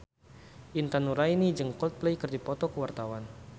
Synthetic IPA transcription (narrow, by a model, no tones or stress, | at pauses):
ʔint̪anuɾainid͡ʒəŋkɔlt̪̚plejkərdipɔt̪ɔkəwart̪awan